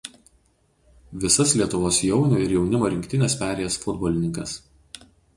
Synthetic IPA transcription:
ʋʲɪsɐslʲiɛt̪ʊʋoːsjɛʊnʲʊɪɾjɛʊnʲɪmoːɾʲɪŋʲkʲt̪ʲɪnʲeːspʲæːɾʲeːjɛsfʊd̪bɔːlʲɪnʲɪŋkɐs

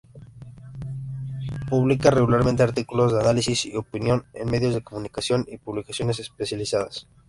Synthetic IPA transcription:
puβlikare̞ɣulaɾmẽnt̪eaɾt̪ikulo̞zðeanalisisio̞pinjo̞nḛnme̞ðjo̞zðe̞ko̞mũnikasjo̞nipuβlikasjo̞ne̞se̞spe̞sjalisaðas

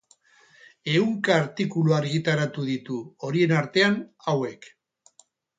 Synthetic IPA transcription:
e̞uŋkaːɾt̪ikuluaɾɣit̪aɾat̪uðit̪uo̞ɾie̞naɾt̪e̞anawe̞k

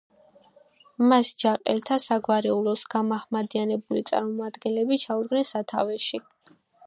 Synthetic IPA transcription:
masd͡ʒaqʼɛlt̪ʰasaɡwaɾɛulɔsɡamaχmad̪ianɛbulit̪sʼa̰ɾmɔmad̪ɡɛnlɛbit͡ʃʰaud̪̚ɡnɛnsat̪ʰa̰vɛʃi

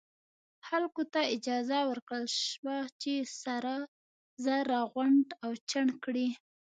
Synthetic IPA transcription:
xalkot̪aɪd͡ʒɑzawəɾkɽəlʃwat͡ʃesaɾa | zaɾɑɣwaɳɖawt͡ʃaɳkɽi

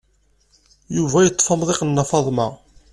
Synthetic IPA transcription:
juvæjət̪ˤːfɑmðˤɪqənːɑfɑðˤmɑ

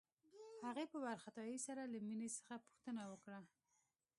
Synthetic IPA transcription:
haɣepəbaɾxat̪ɑjisaɾalaminesə̥xapʊ̥xt̪ənawəkɽa

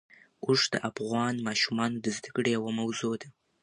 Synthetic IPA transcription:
uʒd̪ə̰ʔafɣɑnmɑʃumɑnod̪əzd̪əkɽejawamawzod̪a

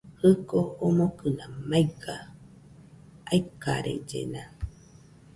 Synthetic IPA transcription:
hɨkoːmokɯnãmajɡa | aika̰ɾḛd͡ʒḛna

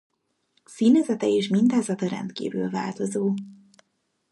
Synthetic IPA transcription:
siːnɛzɛt̪ɛeːʃmint̪aːzɒt̪ɒɾɛ̰nt̪kḭːvy̰ːlva̰ːlt̪o̞zoː

